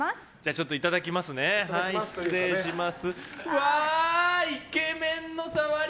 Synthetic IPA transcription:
d͡ʑaːt͡ɕo̞t̪ːo̞it̪ad̪akʲimasɨnehai̥eɕimasɨβa | ike̞mẽ̞nːo̞saβaɾ

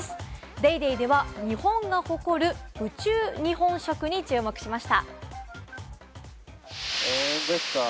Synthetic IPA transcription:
ɨ̥ | d̪eid̪eid̪e̞βaɲ̟ihõ̞ŋɡaho̞ko̞ɾɯ̟̥ɯ̟t͡ɕɨːɲ̟ihõ̞ɰ̃ɕo̞kɯ̟ɲ̟it͡ɕɨːmo̞kɯ̟̥ɕimaɕi̥t̪a̰ | od̪eska

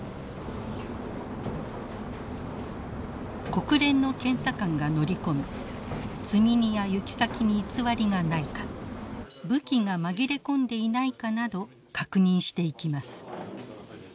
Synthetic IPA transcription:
ko̞kɯ̟ɾẽ̞nːo̞kẽ̞ɰ̃sakãŋɡano̞ɾʲiko̞mʲi | t͡sɨmʲiɲ̟ijajɯkʲi̥sakʲiɲ̟iːt͡sɨβaɾʲiɡanaikḁ | bɯ̟kʲiŋamaɡʲiɾe̞kõ̞nd̪e̞inaikanad̪o̞ | kakɯ̟ɲ̟ĩɰ̃ɕi̥t̪e̞ikʲimasɨ̥

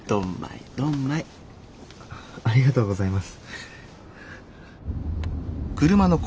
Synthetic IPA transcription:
d̪̥õmːa̰ḭd̪̥õmːai | aɾʲiɡat̪o̞ːɡo̞zaimasɨ̥ | kɯ̟ɾɯ̟mano̞k

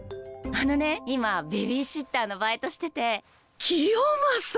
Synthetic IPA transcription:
ano̞ne̞imabe̞βʲiɕɨt̪ːaːno̞baːet̪o̞ɕi̥t̪e̞t̪e̞ | kʲʰijomas

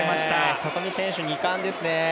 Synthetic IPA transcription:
maɕi̥t̪asat̪omʲisẽɰ̃ɕɨɲ̟ikãnd̪e̞sɨne

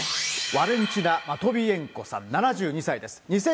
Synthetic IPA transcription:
βaɾẽ̞ɲt͡ɕinamat̪o̞bʲiẽ̞ŋko̞sã̰nːanaʑɨːɲ̟isaid̪e̞sɨ̥ɲ̟isẽ

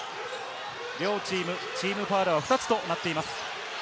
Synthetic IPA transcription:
ɾʲo̞ːt͡ɕiːmɯ̟ | t͡ɕiːmɯ̟paːɾaβaɸɯ̟t̪at͡sɨ̥t̪o̞nat̪ːe̞imasɨ̥

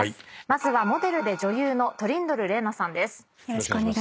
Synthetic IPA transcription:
mazɨβamo̞d̪e̞ɾɯ̟d̪e̞d͡ʑo̞jɯːno̞t̪o̞ɾʲĩnd̪o̞ɾɯ̟ɾe̞ːnasãnd̪e̞sɨ̥ | e

